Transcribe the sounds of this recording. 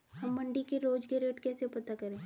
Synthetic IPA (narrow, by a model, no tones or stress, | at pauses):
hɐmːɐɳɖikeɾoːd͡ʒɡeɾeːʈkɛːsepɐt̪akɐɾẽː